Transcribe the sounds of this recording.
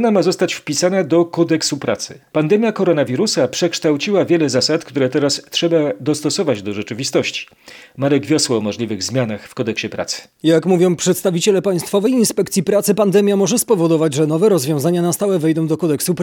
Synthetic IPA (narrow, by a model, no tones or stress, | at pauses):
namazɔst̪at͡ɕfpʲisanad̪ɔkɔd̪ɛksupɾa̰t̪sɘ̰pand̪ɛmʲjakɔɾɔnavʲiɾusapʂɛkʂt̪awt͡ɕiwavʲjɛlɛzasat̪kt̪uɾɛt̪ɛɾastʂɛbad̪ɔst̪ɔsɔvad͡ʑd̪ɔʐɛt͡ʂɘvʲist̪ɔɕt͡ɕi̥ | maɾɛɡvʲjɔswɔːmɔʐlʲivɘɣzmʲjanaxfkɔd̪ɛkɕɛpɾa̰t̪sɘ̥ | jakmuvʲjɔ̃w̃pʂɛt̪st̪avʲit͡ɕɛlɛpaj̃st̪fɔvɛjinspɛkt̪sʲjipɾat̪sɘpand̪ɛmʲjamɔʐɛspɔvɔd̪ɔvad͡ʑʐɛnɔvɛɾɔzvʲjɔ̃w̃zaɲanast̪awɛvɛjd̪ɔ̃w̃d̪ɔkɔd̪ɛksup